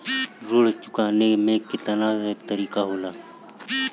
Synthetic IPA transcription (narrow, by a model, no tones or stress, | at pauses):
ɾʊɽ̤t͡ʃʊkaːnemẽːkɪt̪ənaːzt̪əɾiːkaɦoːlaː